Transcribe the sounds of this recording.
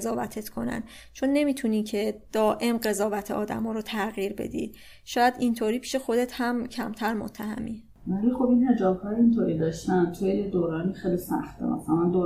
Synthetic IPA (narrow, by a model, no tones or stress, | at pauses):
zɒːvæt̪ʰe̞t̪kʰo̞̰næ̰n | t͡ʃʰonːe̞miːt̪ʰuniːcʰe̞d̪̥ɒːʔe̞mɢe̞zɒːvæt̪ʰeɒːd̪æ̰mɒːɾot̪ʰæɣiːɾbe̞̰d̪ḭːd̪ | ʃɒːjæd̪int̪ʰoːɾiːpʰiːʃe̞xo̞d̪et̪hæmcʰæ̰mt̪ʰæɾmo̰t̪ʰːæhæ̰mi | vælixobinhe̞d͡ʒɒːbhɒːjint̪ʰoːɾiːd̪ɒːʃt̪ænt̪ʰujejed̪oːɾɒːniːxejlisæ̰xt̪ḛmæ̰sælænd̪o